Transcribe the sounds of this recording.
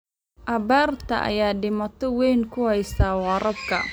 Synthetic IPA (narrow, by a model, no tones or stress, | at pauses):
ʔɐbaːrt̪ʰɐ̰ʔɐ̰jaːɖɪmɐt̪ʰɔwɛjŋkʰʊhɛjsaːwɑːɾɐbkʰɐ̰